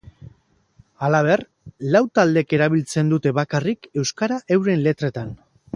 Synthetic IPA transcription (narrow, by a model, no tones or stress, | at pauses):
alaβ̞e̞r | lawt̪ald̪e̞ke̞ɾaβilt͡se̞nd̪ut̪e̞βakarike̞wskaɾaʔe̞wɾe̞nle̞t̪ɾe̞t̪an